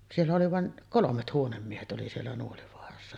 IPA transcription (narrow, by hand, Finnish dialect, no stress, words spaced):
sielːæ oli ʋɑˑen kolomet huonemːiehet oli sielːæ nuoliʋoɑrɑsːɑ